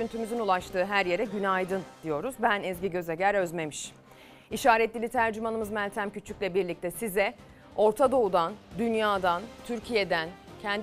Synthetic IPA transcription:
ynt̪ʰymyzynulˠaʃt̪ʰɯːɦæɾje̞ɾɛɟynajd̪ɯnd̪̥ijo̞ɾuzbænɛzɟiɟø̞zeɟæɾø̞zme̞miʃ | iʃaːɾɛt̪lʲilʲit̪ʰæɾd͡ʒymanɯmɯzmælʲt̪ʰæmcʰyt͡ʃʰyclʲɛbiɾlʲic̚t̪ʰɛsizɛ | o̞ɾt̪ʰad̪o̞ud̪and̪ynjaːd̪ant̪ʰyɾcʰije̞d̪æncʰɛnd̪

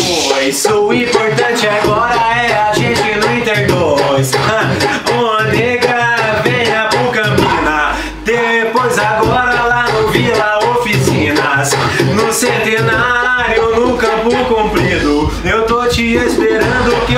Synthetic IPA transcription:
pojzʊĩpoɾt̪ɐ̃t͡ʃɪaɡɔɾɐɛaʒẽt͡ʃɪnʊĩt̪eɾd̪ɔs | õɐneɡɾɐ | vẽɲɐpukɐ̃pĩnɐ | d̪̥epojzaɡɔɾɐlanʊvilɐofisĩnɐs | nʊsẽnt̪enaɾjʊnũkɐfokõpɾĩd̪ʊ | ewt̪ot͡ʃɪespeɾɐ̃d̪ʊkɪ

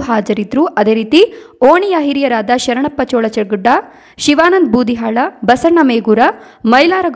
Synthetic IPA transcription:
ɦaːd͡ʒɐɾit̪ɾuʔɐd̪eːɾiːt̪ioːɳijaɦiɾijɐɾaːd̪ɐʃɐɾɐɳɐpːɐt͡ʃoːɭɐt͡ʃɐɡuɖːɐ | ʃiʋaːnɐnd̪̚buːd̪ʱiɦaːɭɐbɐsɐɳɐmeːɡuːɾɐ | mɐjlaːɾɐɡ

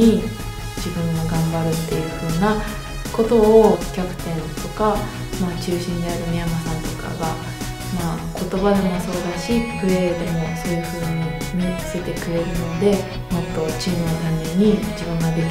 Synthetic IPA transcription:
i | d͡ʑibɯ̟̃ŋɡaɡãmbaɾɯ̟t̪ːe̞jɯ̟jo̞ːna | ko̞t̪o̞ːkʲakɯ̟̥t̪ẽ̞nt̪o̞ka | maːt͡ɕɨːɕĩnd̪e̞aɾɯ̟mʲijamasãnt̪o̞ka̰ɡa | maːkʰo̞t̪o̞bad̪e̞mo̞so̞ːd̪aɕipɯ̟ɾed̪e̞mo̞sojɯɸɯ̟ːɲi | ɲʲit͡sɨ̥e̞t̪e̞kɯ̟ɾe̞ɾɯ̟nod̪e̞ | mo̞t̪ːo̞t͡ɕinɯot̪amʲẽɲ̟ːid͡ʑibɯ̟̃ŋɡad̪ek

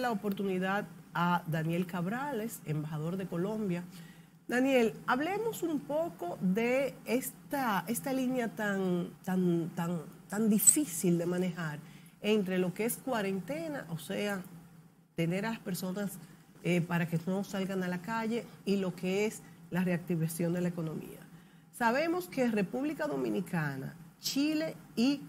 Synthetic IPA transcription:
laopo̞ɾt̪uniðaðad̪anje̞lkaβɾale̞se̞mbaɦaðo̞ɾðe̞ko̞lo̞mbja | d̪anje̞laβle̞mo̞sumpo̞ko̞ðe̞est̪ae̞st̪alinjat̪aŋt̪ant̪aŋt̪and̪ifisild̪e̞mãne̞haɾ | e̞nt̪ɾe̞lo̞ke̞e̞skwaɾe̞nt̪e̞na̰ʔo̞se̞a | t̪e̞ne̞ɾalaspe̞ɾso̞nas | epaɾake̞no̞salɣaŋalakaʝe̞ilo̞ke̞eslare̞ak̚t̪iβasjo̞nd̪elaeko̞nõ̞mḭa̰ | saβe̞mo̞skere̞puβlikaðo̞mĩnikana̰t͡ʃile̞i

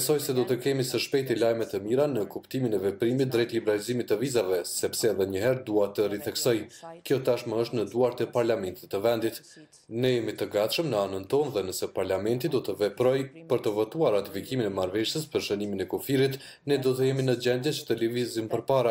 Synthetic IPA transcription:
sɔjsɛd̪ɔt̪əkɛmisəʃpɛjt̪̬ilajmɛt̪əmiɾanəkupt̪iminɛvɛpɾimit̪̚d̪ɾɛt̪libɛɾalizimit̪ːəvizavɛsɛpsɛðɛɲəɦɛɾd̪uat̪əriθɛksɔjkjɔt̪aʃməəʃt̪nəd̪uaɾt̪ɛpaɾlamɛnt̪it̪ːəvɛnd̪it̪ | nɛjɛmit̪əɡat̪ʃəmnəanənt̪ɔnðɛnəsɛpaɾlamɛnt̪id̪ɔt̪əvɛpɾɔjpəɾt̪əvɔt̪uaɾːat̪ifikiminɛmaɾvɛʃjəspəɾʃəniminɛkufiɾit̪ | nɛd̪ɔt̪əjɛminəd͡ʑɛnd̪jɛt͡ɕə̥t̪əlivizimpəɾpaɾa

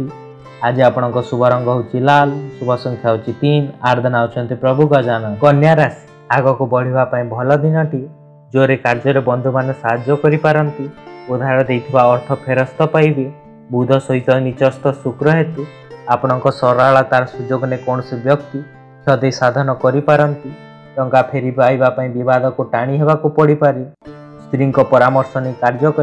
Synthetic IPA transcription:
ti | ad͡ʒiapɔɽ̃ɔŋkɔsubʱɔɾɔŋɡɔɦut͡ʃʰilalsubʱɔsɔŋkʰjaɦut͡ʃʰit̪inaɾd̪ʱɔnawt͡ʃʰɔnt̪ipɾɔbʱuɡɔd͡ʒanɔkɔnjaɾas | aɡɔkubɔɽ̤ibapaĩbʱɔlɔd̪inɔʈi | d͡ʒoɾekaɾd͡ʒɔɾebɔnd̪ʱumanɔsaɦad͡ʒɔkɔɾipaɾɔnt̪iud̪ʱaɾɔd̪ejt̪ʰibaɔɾt̪ʰɔpʰeɾɔst̪ɔpajbe | bud̪ʱɔsɔɦit̪ɔnit͡ʃɔst̪ɔsukɾɔɦet̪u | apɔɽ̃ɔŋkɔsɔɾaɭat̪aɾɔsud͡ʒoɡɔnekɔɳ̃ɔsibjɔk̚t̪i | sɔd̪ejsad̪ʱɔnɔkɔɾipaɾɔnt̪i | tɔŋkapʰeɾibajbapaĩbibad̪ʱɔkuʈaɽ̃iɦebakupɔɽipaɾi | st̪ɾiŋkɔpɔɾamɔɾsɔnikaɾd͡ʒɔkɔ

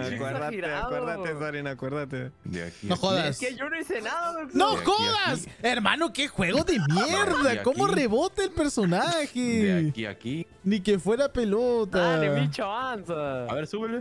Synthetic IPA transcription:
akweɾaiɾaaðweɾðaezaɾenakweɾðat̪ed̪a̰kinoxoðaseʝonoisenaðanoxoðaseɾma̰nokexweɣoðemjeɾðakko̞mmo̞re̞βot̪eːlpeɾso̞naxekia̰ki | nikefwe̞ɾape̞lot̪ait͡ʃaansaaβeɾsuβel

